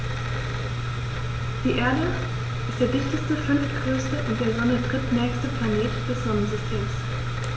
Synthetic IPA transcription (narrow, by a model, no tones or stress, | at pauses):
d̥iːʔeːɐdə | ʔɪstd̥eːɐdɪçtəstəfʏnftɡ̥ʁøːstəʔʊnt̚d̥eːɐzɔnətʁ̥ɪtnɛːçstəpʰl̥aneːtd̥ɛsz̥ɔnənzʏstʰeːms